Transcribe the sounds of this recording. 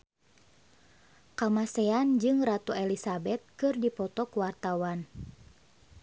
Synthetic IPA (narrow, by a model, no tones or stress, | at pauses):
kamasɛand͡ʒɨŋrat̪uɛlisabɛt̪̚kɨrdipɔt̪ɔkuwart̪awan